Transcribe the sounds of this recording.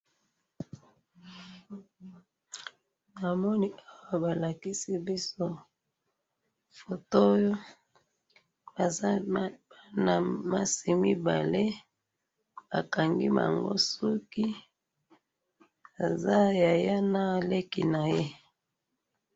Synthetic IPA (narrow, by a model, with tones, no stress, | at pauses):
na˨mɔ˦ni˦a˦wa˦ba˨la˨ki˦si˦bi˦so˦ | fo˨to˦jo˦ | a˨˦a˦na˨ma˦si˨mi˦ba̰˨le˦ | ba̰˨ka˨ŋɡi˦ma̰˨ŋɡo̰˦su˦ki˦ | a˨za˦ja˨ja˦na˦˨le˦ki˨na˨je˦